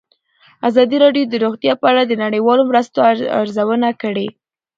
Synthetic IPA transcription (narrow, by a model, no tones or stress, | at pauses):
azɑd̪iɾɑɖjod̪əɾoɣt̪jɑpəaɽad̪ənaɽəjwɑlomɾəst̪oaa̰ɾzawənakəɽe